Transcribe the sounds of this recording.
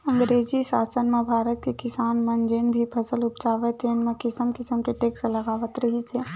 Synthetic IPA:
ə̃ŋɡɾeːd͡ʒisaːsənmẽbʱaːɾət̪̚kekɪsaːnmənd͡ʒenbʱipʰəsəlʊpt͡ʃaːʋet̪ʰenmẽkɪsəmkɪsəmkeʈeːksləɡaːʋət̪ɾəɦit͡ʃʰɛ

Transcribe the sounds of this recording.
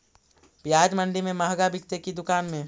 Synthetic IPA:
pjaːd͡ʒməɳɖimẽməɦɡabɪkt̪ekid̪ʊkaːnmẽ

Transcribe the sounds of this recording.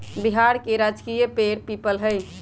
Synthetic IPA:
biɦaɾkeɾad͡ʒkijəpeɾpipəlɦəj

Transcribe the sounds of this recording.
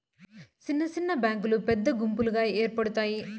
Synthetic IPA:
sɪnːɐsɪnːɐbaːŋɡɯlɯpɛd̪ːɐɡʊmbɯlɯɣaːjeːrpɐɽɯt̪ːaːji

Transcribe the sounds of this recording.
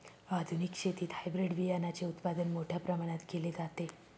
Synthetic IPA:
ad̪ʱunikɕet̪iːt̪hajbɾeɖʋijanat͡ɕeut̪pad̪ənmoʈʰjapɾəmaɽ̃at̪ɡeled͡zat̪e

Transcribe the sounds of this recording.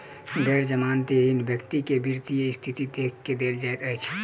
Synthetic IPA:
ɡʱeːɾd͡ʒəmaːnt̪iɦɪnd̪bjəkt̪ikebʱiɾt̪ijeɪst̪ʰit̪id̪eːkʰkːed̪eːld͡ʒaːet̪ət͡ʃʰ

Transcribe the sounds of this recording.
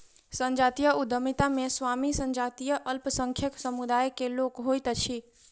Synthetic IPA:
sə̃ɲd͡ʒat̪ijəud̪ʱəmit̪amesʋamisə̃ɲd͡ʒat̪ijəʔəlpsə̃ŋkʰjəksəmud̪ajkelokɦojt̪t͡ʃʰi

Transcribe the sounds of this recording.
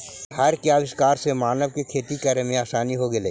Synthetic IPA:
hɐɾkjaːʋɪʃkaːɾsemaːnəʋkekʰeːt̪ikəɾemẽaːsaːniɦoɡɐlḛː

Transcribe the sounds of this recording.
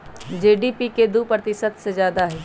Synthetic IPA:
d͡ʒeːɖipiked̪upɾət̪ɪsət̪sezjaːd̪aɦɛː

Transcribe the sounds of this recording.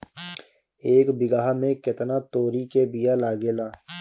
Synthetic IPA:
eːkbɪɡaːɦmẽkɪt̪naːt̪oːɾikebijaːlaːɡeːlaː

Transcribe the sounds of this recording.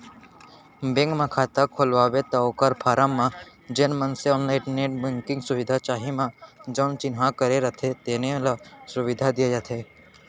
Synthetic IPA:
bẽŋɡmãkʰaːt̪akʰolʋaːbet̪aokəɾpʰaːɾamːãd͡ʒenmənseɔːnlaɪʈneʈbɪ̃ŋkɪ̃ŋɡsʊʋɪd̪ʱat͡ʃaːɦimãd͡ʒɔːnt͡ʃɪnɦãkəɾeɾɐt̪ʰed̪eːnelasʊʋɪd̪ʱad̪iajat̪ʰe

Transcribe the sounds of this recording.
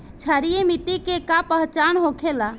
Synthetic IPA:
t͡ʃʰaɾijemit̪ikekapəɦt͡ʃanɦokʰela

